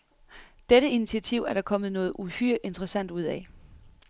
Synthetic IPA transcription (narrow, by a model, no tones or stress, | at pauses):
d̥eɾ̥əinit͡sʰiæt͡sʰiʊ̰æɐɾ̥ɑ̈kʰɒ̽mð̞̩ˠnɔ̽ːð̞̩ˠuhyɐ̰ʔe̝nd̥ʁəsæn̰d̥uð̞̰ˠɛ